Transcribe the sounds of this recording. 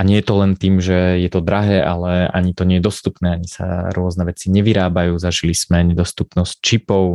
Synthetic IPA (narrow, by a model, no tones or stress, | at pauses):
aɲɪɛjɛt̪ɔlɛnt̪iːmʒɛjɛt̪ɔd̪ɾaɦɛːʔalɛʔa̰ɲit̪ɔɲɪɛjɛd̪ɔst̪upnɛːaɲisa̰ɾʊɔznɛʋɛt͡siɲɛʋiɾaːbajuːzaʒilismɛɲɛd̪ɔst̪upnɔsct͡ʃipɔʊ